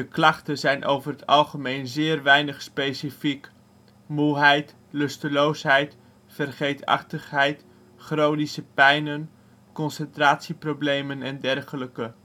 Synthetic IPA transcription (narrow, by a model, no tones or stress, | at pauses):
dəklɑχtənzɛjnʔo̰wvərətɑlˠχəmejnzɪːrʋɛjnəχspejsifik | muɦɛjt | lɵstəlowsɦɛjt | fərχejtɑ̰χtəχɦɛjt | χrownisəpɛjnən | kɔnsəntraːtsiprowblejmənɛndɛrχələkə